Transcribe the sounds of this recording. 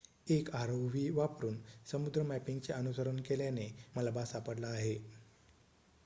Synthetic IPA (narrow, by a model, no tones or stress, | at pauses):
ekaɾəwʋiːʋapɾuːnsəmud̪ɾəmæpiŋɡt͡seʔənusəɾənkeljaneməlabasapəɽlaːɦe